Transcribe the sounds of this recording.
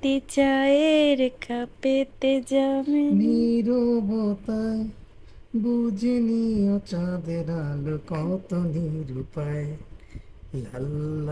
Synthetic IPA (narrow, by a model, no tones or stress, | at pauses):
t̪it͡ʃaeɾkʰapet̪ed͡ʒameniɾobɔt̪aje | bud͡ʒeniɔt͡ʃad̪eɾalokɔt̪oniɾupae | lal